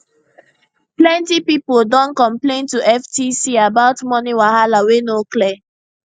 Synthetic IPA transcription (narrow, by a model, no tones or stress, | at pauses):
plɛ̃ntipipoldɔ̃nkɔ̃mplẽntuʔɛftisiabaʊtmɔniwahalawenoklɛ